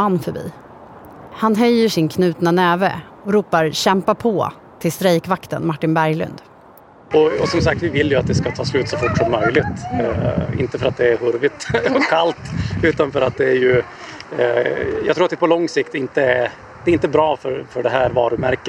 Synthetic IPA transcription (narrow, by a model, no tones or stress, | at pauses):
anːfœbḭː | hanɦœjːəʂɪnkʰnʉ̟ːt̪nanɛːvɛ̰ | ɔɾuːpaɾɕɛmpapʰɔ | t̪ʰɪlst̪ɾɛjkvakt̪ə̰nmaʈːɪnbæɾjlɵ̰nd̪ | ɔɔ̰sɔmsak̚t̪vɪvɪlːjɵat̪̚d̪ɛskat̪ʰɑːslʉ̟ːt̪sɔfʊʈːʂɔmːœjlɪt̪ | ɪ̰nt̪əfœɾat̪̚d̪ɛæɾhɵɾvɪt̪ɔkʰːalt̪ʉ̟ːt̪anfœɾat̪̚d̪ɛæɾjɵ | jɑ̰ɡt̪ʰɾuːɾat̪d̪ɛpʰɔlɔŋsɪkt̪ɪnt̪ə | d̪ɛɾɪnt̪əbɾɑːfœɾfœɖɛɦæːɾvɑ̰ːɾɵmæɾkə